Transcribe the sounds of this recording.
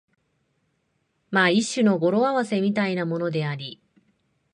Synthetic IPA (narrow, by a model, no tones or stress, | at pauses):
maiɕːɨno̞ɡo̞ɾo̞aβase̞mʲit̪ainamo̞no̞d̪e̞aɾʲi